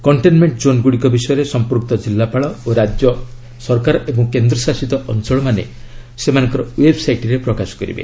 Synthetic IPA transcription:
kɔɳʈenmeɳʈd͡ʒonɡuɽikɔbisɔjɔɾesɔmpuɾk̚t̪ɔd͡ʒilːapaɭɔoɾad͡ʒjɔ | sɔɾkaɾɔebɔŋkend̪ɾɔsasit̪ɔʔɔnt͡ʃɔɭɔmanḛ | semanɔŋkɔɾɔwebsajʈɾepɾɔkasɔ̥kɔɾḭbḛ

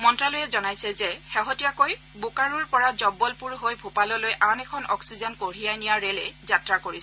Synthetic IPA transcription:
mɔntɹalojɛzɔnajsɛzɛhɛɦɔtijakoj | bokaɹuɹpɔɹazɔbɔlpuɹɦojbʱupalɔlojʔanɛkʰɔnɔksizɔnkoɹijajnijaɹelɛzatɹakoɹis

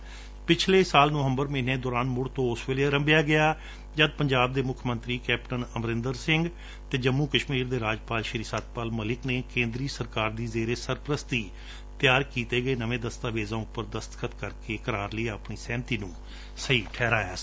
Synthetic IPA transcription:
pɪt͡ʃʰleːsaːlnoʋəmbəɾmẽːnẽːd̪ɔːɾaːnmʊɽt̪õːʊsʋeːleːɾəmbjaːɡɪaː | d͡ʒəd̪̚pəɲd͡ʒaːb̚d̪eːmʊkʰmənt̪ɾiːkɛːpʈənəmɾɪnd̪əɾsɪŋɡ | t̪eːd͡ʒəmːuːkəʃmiːɾd̪eːɾaːd͡ʒpaːlʃəɾiːsaːd̪̚paːlməlɪkneːkẽːnd̪ɾiːsəɾkaːɾd̪iːzeːɾeːsəɾpəɾəst̪iː | t̪ɪjaːɾkiːt̪eːɡəeːnəʋẽːd̪əst̪aːʋeːzãːʊpːəɾd̪əst̪ə̥kʰət̪kəɾkeːkəɾaːɾləiːəpɳiːsɛ̃ːnt̪iːnũː | səiːʈʰɛːɾaːjaː

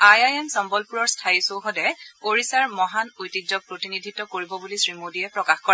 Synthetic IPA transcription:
ajajɛmsɔmbɔlpuɹɔɹstʰaisowxɔdɛoɹisaɹmɔɦanojtid͡ʒzɔpɹotinidʱitːɔkoɹibɔbulisɹimodiɛpɹɔkaxkɔa

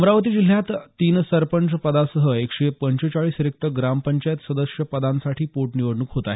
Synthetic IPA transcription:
mɾaʋət̪iːd͡ʑil̤jat̪t̪ːiːnsəɾpənt͡spəd̪asəɦəekʂepəɲt͡ɕet͡ɕaɭiːsɾek̚t̪əɡɾampəɲt͡ɕajet̪səd̪əʂjəpəd̪ãnsaʈʰiːpoʈniʋəɽɳuːkɦot̪ae

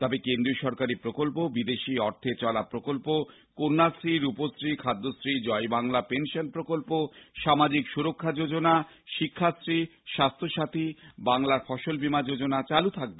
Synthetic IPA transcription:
t̪ɔbekend̪ɾioʃɔɾkaɾipɾokolpobid̪eʃiɔɾt̪ʰet͡ɕɔlapɾokolpo | koɾnasɾiɾuposɾikʰad̪ːosɾid͡ʑɔebaŋlapenʃonpɾokolpoʃamad͡ʑikʃuɾokʰːad͡ʑod͡ʑona | ʃikʰːasɾiʃast̪ʰoʃat̪ʰibaŋlaɾfɔʃolbimad͡ʑod͡ʑonat͡ɕalut̪ʰak̚be

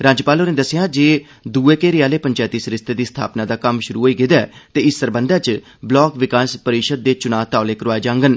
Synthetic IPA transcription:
ɾaːd͡ʒpaːloːnẽːd̪əsɪjãːd͡ʒeː | d̪uːeːkeːɾɪjaːleːpəɲt͡ʃaːt̪iːsəɾɪst̪eːd̪iːst̪ʰa̰ːpnaːd̪aːkəmʃʊɾuːɦoːiːɡɪd̪aːt̪eːɪsːəɾbənd̪aːt͡ʃ | blɔːkʋɪkaːspəɾiʃəd̪̚ːeːt͡ʃʊnaːt̪aːʊleːkəɾʋaːed͡ʒãːŋɡən

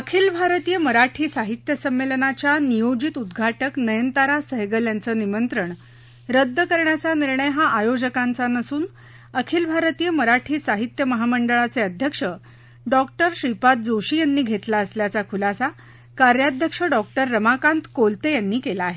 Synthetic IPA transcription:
əkʰiːlbʱaɾt̪iːjəməɾaʈʰiːsaɦit̪jəsəmːelnat͡ɕjanijod͡ʑit̪ud̪ɡʱaʈəknəjənt̪aɾasəɦɡəljant͡səːnimənt̪ɾəɳ | ɾəd̪ʱːkəɾɳjat͡saniɾɳəjɦaʔajod͡ʑəkãnt͡sanəsuːn | əkʰiːlbʱaɾt̪iːjəməɾaʈʰiːsaɦit̪jəməɦaməɳɖəɭat͡seəd̪ʱjəkʂə | ɖɔkʈəɾɕɾipat̪̚d͡zoɕiːjanːiːɡʱet̪laəsljat͡sakʰulasa | kaɾjad̪ʱjəkʂəɖɔk̚ʈəɾːəmakãnt̪kolt̪ejanːiːkelaːɦe

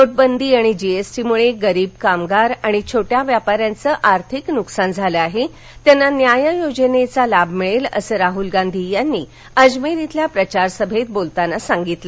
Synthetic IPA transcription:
toʈ̚bənd̪ʱiːaɽ̃id͡ʑiesʈimuɭeɡəɾiːb̚kamɡaɾaɽ̃it͡ɕʰoʈjaʋjapaɾjant͡səːʔaɾt̪ʰiknuksand͡zʱaləaɦe | t̪janːanjajəjod͡ʑənet͡salabmiɭelə̰səɾaɦulɡand̪ʱijanːḭː | əd͡ʑmeɾit̪ljapɾət͡ɕaɾsəbʱet̪̚bolt̪anasaŋɡit̪lə

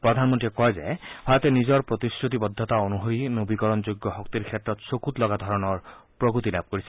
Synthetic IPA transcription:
pɾɔd̪ʱanɔmɔnʈiekɔeza̰pʰaɾɔt̪enizɔɾpɾɔt̪iskɾut̪ibɔd̪ʱːɔt̪aonuɦojnobikɔɾɔnd͡ʒoɡːɔɦɔkt̪iɾkʰet̪ːɾɔt̪sokut̪lɔɡad̪ʱɔɾɔnɔɾpɾɔkut̪ilab̚ʱkoɾisʰi

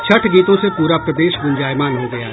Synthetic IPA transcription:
t͡ʃʰɐʈʰɡiːt̪õsepuːɾapɾɐd̪eːʃɡʊ̃nd͡ʒaːjmaːnɦoɡɐja̰

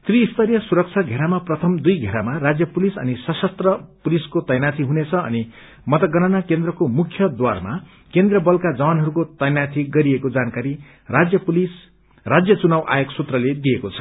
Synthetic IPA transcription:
t̪riːst̪ʌɾjʌsuɾʌk̚t͡sʰaɡʱeɾamaprʌt̪ʰʌmd̪ujɡʱeɾamarad͡zjʌpulisʌ̰nisʌsʌst̪rʌpuliskot̪ʌjnat̪ʰiɦunet͡sʰʌʌ̰ni | mʌt̪ʌɡʌnanakend̪rʌkomukʰjʌd̪wa̰rma̰ | kend̪rʌbʌlkad͡zʌwanɦʌɾukot̪ʌjnat̪ʰiɡʌɾiekod͡zankaɾi | rad͡zjʌpulis | rad͡zjʌt͡sunawʔa̰joksut̪rʌled̪ijekot͡sʰʌ̥

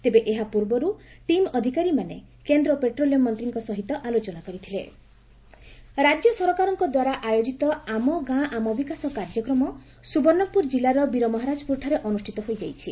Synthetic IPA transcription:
t̪ebeʔeɦapuɾbɔɾuʈimɔd̪ʱikaɾimane | kend̪ɾɔpeʈɾolijɔmɔnt̪ɾiŋkɔsɔɦit̪ɔʔalot͡ʃɔnakɔɾit̪ʰilḛ | ɾad͡ʒjɔsɔɾɔkaɾɔŋkɔd̪waɾaʔajod͡ʒit̪ɔamɔɡãʔamɔbikasɔkaɾd͡ʒɔkɾɔmɔ | subɔɾnɔpuɾd͡ʒilaɾɔbiɾɔmɔɦaɾad͡ʒɔpuɾʈʰaɾeʔɔnusʈʰit̪ɔɦojd͡ʒajt͡ʃʰi

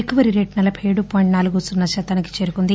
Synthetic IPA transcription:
ekuʋɐɾiɾeːʈnɐlɐpʰejɽupoːjiɳʈnaːluɡusunːɐt͡ʃɐt̪ːɐːniki̥t͡ʃe̞ːɾukund̪i

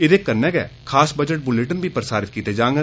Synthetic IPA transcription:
ɪd̪eːkːəɾnɛːɡɛ̰ːkʰaːsbəd͡ʒəʈ̚bʊleʈənbiːpəɾəsaːɾɪt̪̚kiːt̪eːd͡ʒãːŋɡ

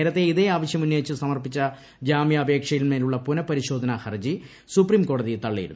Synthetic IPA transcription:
eːɾɐt̪ːe̞iðeaːʋɐɕjɐmunjojit͡ɕːɨsɐmɐrpit͡ɕːɐ | d͡ʑaːmijɐːbʱe̞ːkʂɐjilmeːluɭːɐpunɐpɐɾiɕo̞ːd̪ʱɐnɐhɐrd͡ʑi | supriːmko̞ːɽɐðijt̪ɐɭːḭj̰ɾṵn

